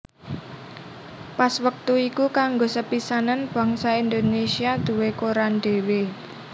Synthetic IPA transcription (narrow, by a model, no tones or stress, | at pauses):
paswək̚t̪uikukaŋɡosəpisananb̥a̤ŋsaind̪onesiad̪̥ṳwekoɾanɖ̪̥e̤we